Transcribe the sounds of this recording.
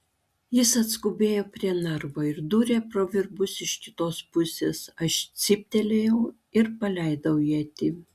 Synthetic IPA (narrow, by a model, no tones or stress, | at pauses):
jɪsɐt̪skʊbʲeːjoːpʲɾʲiɛnɐɾʋoːɪɾd̪uːɾʲeːpɾoːʋʲɪɾbʊsɪʃkʲɪt̪oːspʊsʲḛːsɐʃt̪sʲɪpʲt̪ʲɛlʲejɛʊ | ɪɾpɐlʲɛɪd̪ɐʊjit̪ʲɪ